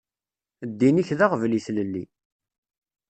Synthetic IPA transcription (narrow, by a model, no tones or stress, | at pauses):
d̪ːiniçðaʁvliθləlːi